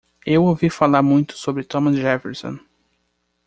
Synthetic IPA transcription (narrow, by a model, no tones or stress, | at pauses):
ewowvifalaɾmũj̃t̪ʊ̥sobɾɪt̪õmɐsʒɛfeɾsõ̰